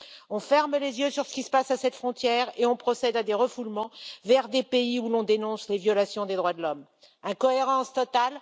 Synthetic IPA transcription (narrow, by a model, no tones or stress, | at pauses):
ɔ̃fɛʁmlezjøsyʁsə̥kʲisə̥pasasɛt̪fχɔ̃t̪jɛʁeɔ̃pχɔsɛd̪ad̪eʁəfulmɑ̃vɛʁd̪epeiulɔ̃d̪enɔ̃slevjɔlasjɔ̃d̪ed̪ʁwad̪əlɔm | ɛ̃kɔeʁɑ̃st̪ɔt̪al